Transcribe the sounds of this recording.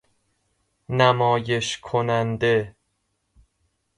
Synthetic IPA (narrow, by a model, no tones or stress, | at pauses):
næmɒːje̞ʃkʰonænd̪e